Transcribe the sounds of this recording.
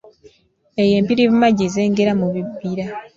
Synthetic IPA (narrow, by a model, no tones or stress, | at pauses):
eje̞ːmpiɾiβumaɟize̞ːŋɡe̞ɾamuβibːiɾa